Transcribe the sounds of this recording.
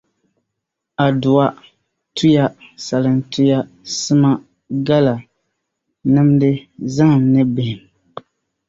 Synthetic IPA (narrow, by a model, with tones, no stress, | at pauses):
a˨dʊ˨wa˦ | tʰu˦ja˦sa˨lɨ˨ntu˦ja˦ | sɨ˦ma˦ | ɡa˦la˨ | nɨ˦mdɨ˦za˦ŋ˨mnɨ˦bɪ˨hɪ˨m